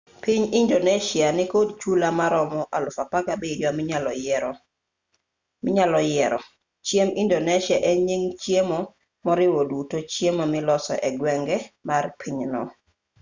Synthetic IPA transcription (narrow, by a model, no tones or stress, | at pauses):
piɲindoneʃɪanɪkodt͡ʃulamaɾɔmɔʔalʊfapaɡabedjwamɪɲalɔ | mɪɲalɔjɛɾɔ | t͡ʃjemindonɛʃjaʔeɲiŋt͡ʃjemɔ | mɔɾɪwodutot͡ʃjemamɪlɔsɔ̰ʔɛɡwɛŋɡɛmarpʰiɲnɔ̰